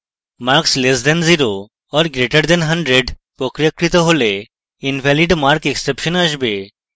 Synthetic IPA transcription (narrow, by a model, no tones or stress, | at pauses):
maɾkslesd̪ɛnziɾo | ɔɾɡɾeʈəɾd̪ɛnɦɐɳɖɾeɖ | pɾɔkɾjəkɾit̪ɔɦole | inʋʱɛliɖmaɾkeksepʃənəʃbe